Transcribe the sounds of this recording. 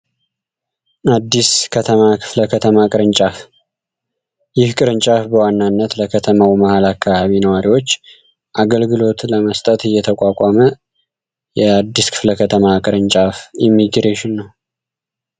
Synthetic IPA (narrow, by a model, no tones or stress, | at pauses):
ʔad̪ːiskʰət̪ʰəmakʰɨ̥fləkʰət̪ʰəmakʼɨɾɨnt͡ʃʼaf | jɪhkʼɨɾɨnt͡ʃʼafbəwanːanːət̪ləkʰət̪ʰəmawimahalakːaβaβinəwaɾiwo̞t͡ʃː | ʔaɡəlɡɨlo̞t̪ləməst̪ʼət̪ɨjːɛt̪ʰəkʼakʷʼamə | jɛad̪ːiskʰɨ̥fləkʰət̪ʰəmakʼɨɾɨnt͡ʃʼafimːiɡɾeʃɪnːəw